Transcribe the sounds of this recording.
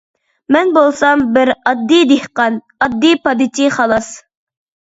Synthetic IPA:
mɛnbolˠsɑmbɪɾɑd̪ːid̪ehqɑn | ɑd̪ːipɑd̪ɪt͡ʃʰiχɑlˠɑs

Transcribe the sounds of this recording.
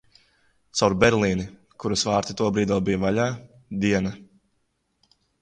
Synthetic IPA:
t̪sawɾbʲɛɾlˠiːni | kuɾusvaːɾt̪it̪uɔbɾiːd̪uːbijvaʎaː | d̪iɛna

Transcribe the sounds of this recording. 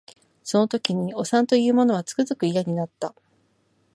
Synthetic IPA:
so̞no̞t̪o̞kʲiɲ̟io̞sãnt̪o̞jɯ̟ːmo̞no̞β̞at͡sɨ̥kɯ̟zɨkɯ̟ijaɲ̟inat̪ːa

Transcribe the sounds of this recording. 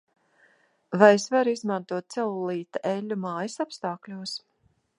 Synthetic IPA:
vajsvaɾizmãnt̪uɔt̪̚sɛlˠulˠiːt̪aʔɛlʲːumaːjɐsapst̪aːklʲuɔs

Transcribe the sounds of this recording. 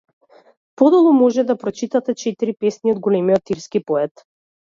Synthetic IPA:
pɔd̪ɔlˠɔmɔʒɛd̪apɾɔt͡ʃit̪at̪ɛt͡ʃɛt̪iɾipɛsniɔd̪ɡɔlɛmiɔt̪iɾskipɔɛt̪

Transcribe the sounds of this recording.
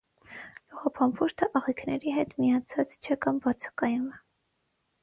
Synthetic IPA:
luʁɑpʰɑmpʰuɾt̪ʰəʔɑʁikʰnɛɾiɦɛt̪miɑt͡sʰɑt͡st͡ʃʰɛkɑmvɑt͡sʰə̥kɑjumɛ

